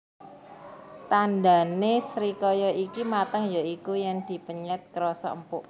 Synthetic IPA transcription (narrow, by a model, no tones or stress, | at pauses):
t̪and̪a̤nesɾikɔjɔʔikimat̪əŋjɔikujaŋd̪̥i̤pəɲɛt̪̚kəɾɔsɔ̰əmpʊʔ